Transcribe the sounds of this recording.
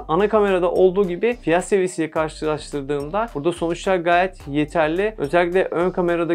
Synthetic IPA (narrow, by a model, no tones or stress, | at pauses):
anakame̞ɾad̪aʔo̞lˠd̪uːɟibɪfijat̪sevisij̪ʲɛkʰaɾʃt̪ʰɯlˠaɾʃt̪ɯɾd̪ɯːnd̪ab̥uɾd̪aso̞nut͡ʃlˠaɾɡaːjɛt̪je̞t̪ʰæɾlʲɪø̞̰zɛlʲːic̬ʲlʲɛʔønkʰame̞ɾad̪a